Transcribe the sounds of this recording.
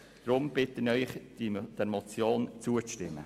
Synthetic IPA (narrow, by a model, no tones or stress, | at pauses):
d̥ɾʊmb̥ɪtənœʏχd̥ɛɾmɔt͡sjoːnt͡suətɪmːə̰